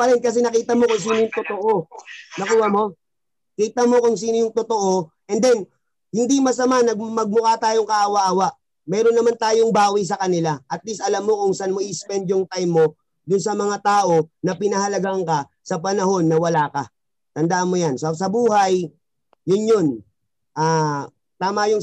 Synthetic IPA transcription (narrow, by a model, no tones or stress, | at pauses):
pɐɾɛnkɐs̬ɛnɐkiːt̪ɐmo̞kʊŋs̬iːnojʊŋt̪ot̪oʔo̞nɐkuːhɐmo̞ | kiːt̪ɐmo̞kʊŋsiːnojʊŋt̪ot̪oʔo̞ | ʔɛnd̪ɛn | hɪnd̪imɐsɐmanɐɡmɐɡ̚mʊkat̪aːjoŋkɐʔaːwɐʔaːwaʔ | mɛːɾonːɐmant̪aːjoŋbaːwijs̬ɐkɐnɪlaʔɐt̪̚lisɐlamːokʊŋsanmoʔɪɪspɛnd̪joŋt̪ajmːo̞ | d̪ʊnsɐmɐŋat̪aːʔo̞nɐpɪnɐɦɐlɐɡaŋkɐ | sɐpɐnɐɦo̞nːɐwɐlaːkɐ̰ | t̪ɐnd̪aʔnmːojansos̬ɐbuːɦajː | ʊnjon | ʔaː | t̪aːmɐjʊŋ